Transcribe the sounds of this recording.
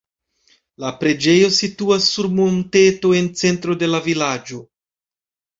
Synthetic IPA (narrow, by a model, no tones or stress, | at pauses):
lapɾe̞d͡ʒe̞jo̞situasːuɾmonte̞to̞e̞nt͡se̞ntɾo̞de̞lavilad͡ʒo̞